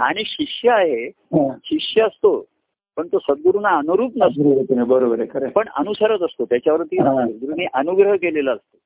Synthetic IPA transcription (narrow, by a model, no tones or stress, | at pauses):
aɽ̃iɕiʂjəaɦe | ɦãɕiʂjəːst̪o | pəɳt̪osəd̪̚ɡuɾunaːnuɾuːpnəsot̪inebəɾobəɾekəɾepəɳə̰nusəɾət̪əst̪ot̪jat͡ɕjaʋəɾt̪ĩːəɡɾuniʔənuɡɾəɦkeleləːst̪o